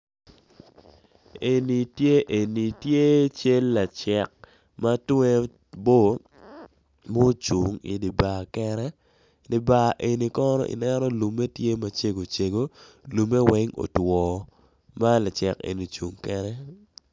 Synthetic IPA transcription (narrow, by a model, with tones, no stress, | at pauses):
e˨ni˨tje˦ʔe˨ni˨tje˦t͡ʃe˦lːa˨t͡ʃɛ˨k̚ | ma˦twɛ˦ | bo˦˨ | mo˦t͡ʃu˨ŋḭ˨di˨ba˨kɛ˦ɾɛ˦ | dɪ˨ba˨ʔe˨ni˨kɔ˦nɔ̰˦ʔḭ˨nɛ˦ɾɔ˦lu˨mːe˦tje˦ma˦t͡ʃe˦ɡo˨t͡ʃe˨ɡo˦lu˨mːe˦wɛ˦ŋo̰˨twɔː˨ | ma˦la˨t͡ʃɛ˨kḛ˨ni˨t͡ʃu˨ŋkɛ˦ɾɛ˦